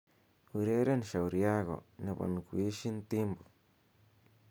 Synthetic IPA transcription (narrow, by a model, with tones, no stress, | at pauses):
u˧ɾe˦ɾe˦nʃa˨wɾja˦ɣo̰˨ne˧ba̰˨nkʷi˦ʃi˦nt̪i˦mbo˨